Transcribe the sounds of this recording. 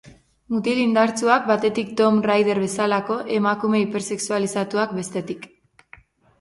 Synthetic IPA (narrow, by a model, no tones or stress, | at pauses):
mut̪ilind̪aɾt͡suak̚bat̪e̞t̪ik̚t̪o̞mrajðe̞ɾβe̞salako̞ʔe̞makume̞ipe̞ɾse̞ksualisat̪uakbe̞st̪e̞t̪ik